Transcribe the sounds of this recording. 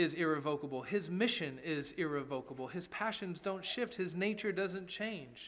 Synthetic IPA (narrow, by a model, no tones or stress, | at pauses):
ɪzɪɹɨvoʊkəbl̩ˠɪzmɪʃɨ̃nɪzɪɹɨvoʊkəbl̩ˠɨz̥pʰæʃɨ̃nzdõʊ̃ntʃɪft̚hɨzneɪt͡ʃə˞dʌzɨ̃nt͡ʃʰẽɪ̃nʒ̥